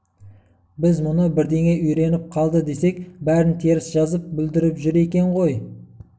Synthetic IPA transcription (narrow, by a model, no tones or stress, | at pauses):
bɪzmʊnəbɪɾd̪e̞ŋe̞ʔʏjɾe̞nɪp̚qʰɑlˠd̪əd̪e̞se̞kbæɾɪnt̪ʰeɾɪsʒɑzəp̚bɪld̪ɪɾɪpʒʏɾe̞kʲe̞ɴʁo̞j